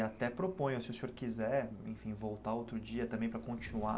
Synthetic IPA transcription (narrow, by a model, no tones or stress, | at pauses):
at̪ɛpɾopõj̃ʊsɪʊsĩoɾkizɛḛ̃j̃fĩvowt̪aowt̪ɾʊd͡ʒiɐt̪ɐ̃mbẽj̃pɾɐkõt͡ʃinua